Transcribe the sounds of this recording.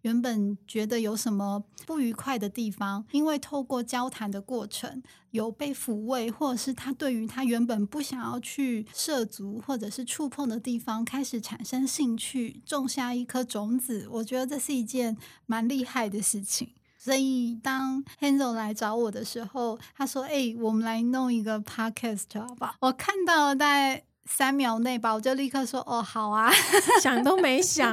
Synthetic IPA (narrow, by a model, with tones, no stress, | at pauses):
ɥɛ˧˥npə˨˩nt͡ɕɥɛ˧˥d̪ə˧jo˧˥ʊʂə˧˥nmə˧pu˥˩y˧˥kʰwa˥˩ɪd̪ə˩t̪i˥˩fɑ˦ŋi˥nwe˥˧ɪt̪ʰo˥˧ʊkwɔ˥˩t͡ɕjɑ˥ʊt̪ʰa˧˥nd̪ə˧kwɔ˥˩ʈ͡ʂʰə̰˧˥ŋ | jo˨˩ʊpe˥˩ɪfu˧˥we˥˧ɪxwɔ˥˩ʈ͡ʂʂɻ̩˥˩t̪ʰa˥t̪we˥˩ɪy˧˥t̪ʰa˥ɥɛ˧˥npə˨˩npu˥˩ɕjɑ˨˩ŋjɑ˥˧ʊt͡ɕʰy˥˧ʂɤ˥˩t͡su˧˥xwɔ˥˩ʈ͡ʂɤ˨˩ʂɻ̩˥˧ʈ͡ʂʰu˥˧pʰɤ˥˩ŋd̪ə˩t̪i˥˩fɑ˥ŋkʰa˥ɪʂɻ̩˨˩ʈ͡ʂʰa˨˩nʂə˥ŋɕi˥˧ŋt͡ɕʰy˥˧ʈ͡ʂo˥˧ŋɕja˥˧i˥˩kʰɤ˥ʈ͡ʂʊ˧˥ŋt͡sɹ̩˨˩wɔ˨˩t͡ɕɥɛ˧˥d̪ə˧ʈ͡ʂɤ˥˧ʂɻ̩˥˩i˧˥t͡ɕjɛ˥˩nma˧˥nli˥˧xa˥˩ɪd̪ə˩ʂɻ̩˥˩t͡ɕʰi˨˩˦ŋ | swɔ˧˥i˨˩t̪ɑ˥ŋxɛ˥nzo˥˩ʊla˧˥ɪʈ͡ʂɑ˧˥ʊwɔ˨˩d̪ə˦ʂɻ̩˧˥xo˥˧˩ʊt̪ʰa˥ʂwɔ˥ʔe˥˩ɪwɔ˨˩mə˦nla˧˦ɪnʊ˥˩ŋi˧˥ɡə˧pʰɑ˥kʰɛ˥˩stʰə˨˩ba˨˩wɔ˨˩kʰa˥˧nt̪ɑ˥˩ʊ˨t͡sa˥˩ɪ | sa˥nmjɑ˧˥ʊne˥˩ɪba˨˩wɔ˨˩t͡ɕjo˥˧ʊli˥˧kʰɤ˥˧ʂwɔ˥ʔɔ˥˩xɑ˨˩ʊɐ˦ɕjɑ˨˩ŋt̪o˥ʊme˧˥ɪɕjɑ˨˩˦